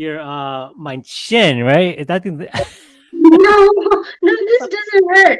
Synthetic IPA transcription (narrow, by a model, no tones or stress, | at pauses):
jə˞ʌmãɪ̃nt͡ʃɪ̃nɹaɪt̚ɨðat̚ɡɨ̃nð | noʊnoʊðɪsd̥ʌzɨ̃nwɜ˞